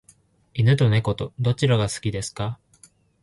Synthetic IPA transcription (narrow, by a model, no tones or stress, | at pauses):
inɯ̟t̪o̞ne̞ko̞t̪o̞d̪o̞t͡ɕiɾaɡasɨ̥kʲid̪e̞sɨ̥ka